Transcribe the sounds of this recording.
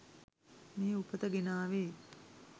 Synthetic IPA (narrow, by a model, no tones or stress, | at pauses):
meːupət̪əɡenaːʋeː